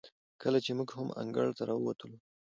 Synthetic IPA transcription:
kəlat͡ʃemuɡhama̰ŋɡə̰ɽt̪aɾɑwəwat̪əlu

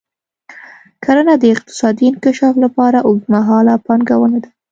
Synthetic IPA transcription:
kʰaɾanad̪əɪq̚t̪ɪ̥sɑd̪iɪnkaʃɑflapɑɾaʔoɡmaɦɑlapɑnɡawənad̪a

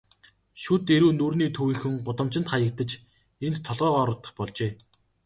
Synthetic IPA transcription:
ʃut̪eɾuːnurniːt̪ʰɵwiːxɘ̆ŋɢʊt̪ə̆m̥t͡ɕɪ̆nt̪χajə̆k̚t̪ə̆t͡ɕ | ent̪ʰːɔɮʁœːʁɔɾɞ̆t̪ːə̆χpɔɮt͡ɕeː

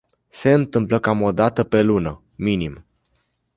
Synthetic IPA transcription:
se̞ɨnt̪ɨmpləkamo̞d̪at̪əpe̞lunə | minim

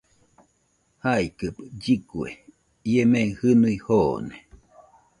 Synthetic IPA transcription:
haikɨpd͡ʒikuḛ | iemehɨnuihoːne

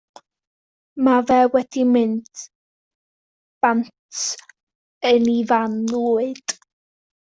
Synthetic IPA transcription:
mavɛwɛdimɪnd̥ | b̥antʰ | ənivanluːɨd̥ʼ

